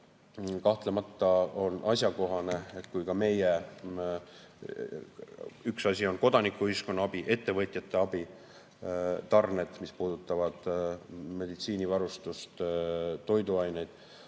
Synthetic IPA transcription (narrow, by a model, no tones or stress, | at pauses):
kɑht̪lemɑt̪ːˑɑo̞nʔɑsʲjɑko̞ɦɑne̞etkujkɑme̞je | yksɑsʲio̞nko̞d̪ɑnikːˑuyisko̞nːɑɑb̥iʔe̞t̪ːe̞vɤt̪ʲˑjɑt̪ːˑe̞ɑbi | t̪ɑrne̞t̪mispuːd̪̥ut̪ːˑɑvɑd̪̥ | me̞d̪it̪siːnivɑɾust̪ust̪t̪ːo̞jd̪uɑjne̞jd̪̥